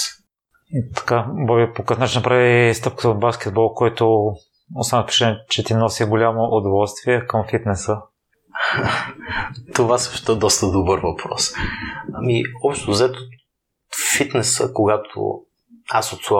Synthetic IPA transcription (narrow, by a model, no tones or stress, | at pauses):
t̪ɐ̥kabɔβipokəfnat͡ʃinɐpɾavist̪ɤp̚kə̥t̪əod̪̚bask̟ʲɛd̪̚bɔlˠkɔjt̪ʊ | ost̪anəfpɾit͡ʃɛnt͡ʃɛt̪inɔsiɡolʲamoʔʊd̪ovɔlˠst̪viɛkəmfit̪nɛsə | t̪ovasɤʃt̪oɛd̪ɔst̪əd̪obəɾvɐpʰɾɔ̰samiɔpʃt̪t̪ozɛt̪o | fit̪nɛsə̰koɡat̪ʰo̰ | asot̪sa